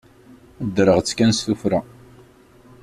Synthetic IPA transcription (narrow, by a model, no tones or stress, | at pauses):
d̪ɾəʁt͡sːkænsθufɾa